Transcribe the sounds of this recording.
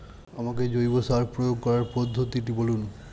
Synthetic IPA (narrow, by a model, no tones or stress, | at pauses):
amaked͡ʑojbosaɾpɾojoɡ̚kɔɾaɾpod̪ʱːot̪iʈibolun